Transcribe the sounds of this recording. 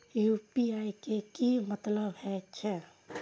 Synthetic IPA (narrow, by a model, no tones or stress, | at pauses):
jupiaikekimət̪ləbɦɛt͡ʃʰɛ